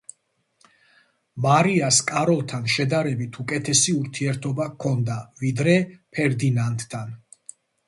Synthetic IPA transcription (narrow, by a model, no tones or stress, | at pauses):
maɾiaskʼaɾɔlˠt̪ʰanʃɛd̪aɾɛbit̪ʰukʼɛt̪ʰɛsiuɾt̪ʰiɛɾt̪ʰɔbakʰɔnd̪avid̪ɾɛpʰɛɾd̪inant̪ʼːʰan